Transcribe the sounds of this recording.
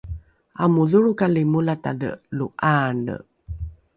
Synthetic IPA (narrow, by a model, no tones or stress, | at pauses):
amuðuɻukalimulatadə̰luʔanə̰